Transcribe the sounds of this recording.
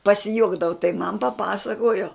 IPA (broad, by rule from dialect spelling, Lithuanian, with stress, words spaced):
pɐsʲɪˈjuɔɡdɐʋoː tɐɪ mɐn pɐˈpɑːsɐkoːjoː